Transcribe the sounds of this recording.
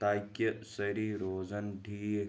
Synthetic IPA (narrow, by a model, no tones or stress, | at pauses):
t̪aːkːɐsɐɾiɾoːd͡ʒɐnɖʱiːe